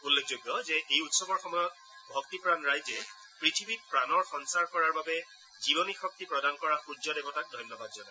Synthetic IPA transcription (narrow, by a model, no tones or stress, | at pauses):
ulːekʰzoɡjɔzɛʔejutsɔbɔɹxɔmɔjɔt̚ | bʱɔktipɹanɹajzɛ | pɹitʰibik̚pɹanɔɹxɔnsaɹkɔɹaɹbabɛ | zibɔnixɔk̚tipɹɔdankɔɹaxud͡ʒɔdɛbɔtak̚dʱɔjnjɔbadzɔna